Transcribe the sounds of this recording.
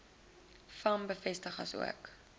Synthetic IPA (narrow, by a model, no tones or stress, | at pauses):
fɐmbəfɛstəχɐ̰sṵə̰k